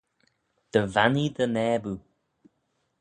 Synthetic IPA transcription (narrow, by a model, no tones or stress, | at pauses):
d̪̥əvanidənɛːbu